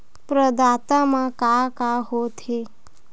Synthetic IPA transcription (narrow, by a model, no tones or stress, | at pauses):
pɾəd̪aːt̪amãkakaɦot̪he